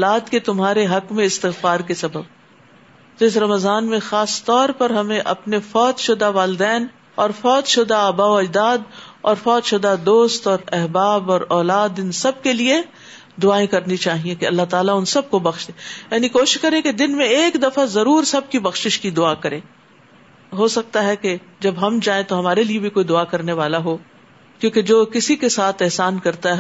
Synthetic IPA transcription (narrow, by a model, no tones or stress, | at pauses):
laːd̪ket̪ʊmɦaːɾeɦɐkmẽɪst̪ɪɣfaːɾkesɐbəb̚ | t̪oɪsɾɐməzaːnmẽxaːst̪ɔːɾpɐɾɦɐmẽʔɐ̰pnefɔːt̪ʃʊd̪aʋaːlɪd̪ɛːn | ɔːɾfɔːt̪ʃʊd̪aəbaːoɐd͡ʒd̪aːd̪ɔːɾfɔːt̪ʃʊd̪ad̪oːst̪ɔːɾɛɦbaːbɔːɾɔːlaːd̪ɪnsɐb̚kelie | d̪ʊaːẽkɐɾnit͡ʃaːɦiẽkeɐlːaɦt̪aːlaʊnsɐb̚kobɐxʃd̪ejaːnikoːʃɪʃkɐɾẽked̪ɪnmẽeːkd̪ɐfazɐɾuːɾsɐb̚kibɐxʃɪʃkid̪ʊakɐɾẽː | ɦosɐk̚t̪aɦɛked͡ʒɐbɦɐmd͡ʒaːẽt̪oɦɐmaːɾeliebʱikoːid̪ʊakɐɾneʋaːlaɦo | kjõːked͡ʒoːkɪsikesaːt̪ʰɛɦsaːnkɐɾt̪aɦɛɦ